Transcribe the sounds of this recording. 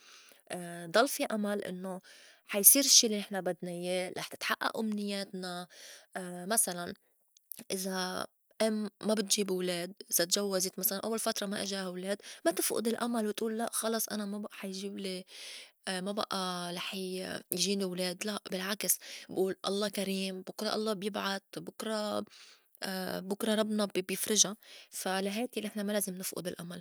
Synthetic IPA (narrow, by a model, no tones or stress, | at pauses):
ʔd̪ˤɑlːfiʔamalʔɪ̰nːoħajsiːɾɪʃːiːlːinɪħnabad̪najeɾˤʔɑħt̪ɪ̥t̪ħaʔːa̰ʔʔamnɪjːeːt̪na | masalan | ʔɪza | ʔɪmːabɪt̪ʒiːbwleːd̪̚ʔɪz̥at̪ʒawːazɪt̪masalanʔa̰wːalfat̪ɾˤɑmaʔɪʒahawleːd̪mat̪ɪfʔʊ̰d̪ɪlʔamalwɪt̪ʔuːlːaʔxɑlɑsˤʔa̰namabaʔħajʒiːbli | maba̰ʔaɾˤɑħjʒiːnɪwleːd̪laʔbɪlʕaksbʔuːlʔɑ̰lˤːɑːkaɾiːmbʊkɾˤɑ̰ʔɑ̰lˤːɑːbjɪbʕat̪̚bʊkɾˤɑ̰ | bʊkɾˤɑɾˤɑbnɑbbjɪfɾɪʒafalaɦeːt̪ilʔɪħnamaleːzɪmnɪfʔʊ̰d̪ɪlʔamal